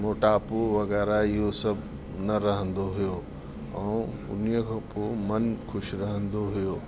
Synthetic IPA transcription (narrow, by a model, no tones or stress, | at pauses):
moːʈaːpoʋɐɣɛːɾaɪɦosɐbʱ | nɐɾɐɦə̃nd̪oɦʊjoː | ɛ̃ː | ʊ̰nijəkʰãːpoːmɐnkʰʊʃɾɐɦə̃nd̪oɦʊjoː